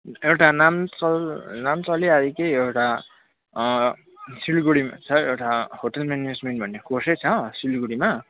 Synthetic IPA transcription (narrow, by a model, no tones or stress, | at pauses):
ewʈanamt͡sʌlnamt͡sʌliajekʌjewʈa | silɡuɽimat͡sʰʌewʈahoʈʌlmened͡zmenʈbʱʌnːekorsʌjt͡sʰʌsilɡuɽima